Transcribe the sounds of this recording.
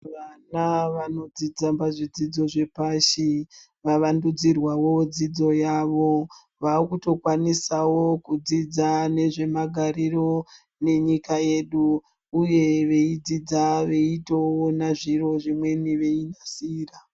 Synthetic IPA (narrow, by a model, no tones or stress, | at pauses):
ʋanaʋano̞d͡zid͡zambaʐid͡zid͡zo̞ʐe̞paʃi | ʋaʋandud͡zirwawod͡zid͡zo̞jaːʋo̞ | ʋakuto̞kwanisawo̞kud͡zid͡zane̞ʐe̞maɡʱaɾiɾo̞ | ne̞ɲikaje̞ɗuː | je̞ʋe̞id͡zid͡zaʋe̞itowonaʐiro̞ʐimwe̞niʋe̞inasiːra